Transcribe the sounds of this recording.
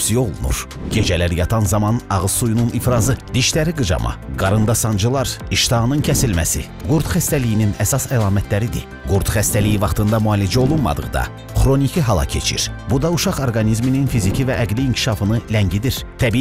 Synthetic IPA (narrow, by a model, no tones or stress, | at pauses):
sio̞lˠunṵɾ | ɟ̥ed͡ʒælæɾjɑt̪ʰɑnzɑmɑnɑʁɯz̥sujununʔifɾɑzɯd̪̥iʃt̪æɾiɡɯd͡ʒɑ̰mʔɑ̰ɡɑɾɯnd̪ɑsɑnd͡ʒɯlˠɑɾiʃt̪ʰɑnɯncʰæsilmæ̰sḭ | ɡuɾd̪χæst̪ælijininæsɑsælˠɑːmæt̪ʰlæɾid̪ḭ | ɡuɾt̪χæst̪ælijivɑχt̪ʰɯnd̪ɑmuɑːlid͡ʒæo̞lˠunmɑ̰d̪ɯ̰ʁd̪ɑ̰ | χɾo̞nicʰiɦɑlˠɑ̰cʰe̞̰t͡ʃʰḭɾbud̪ɑuʃɑχoɾɡɑnizmininfizicʰivæʔæɡliːŋcʰi̥ʃɑfɯnɯlæɲɟid̪iɾt̪ʰæbi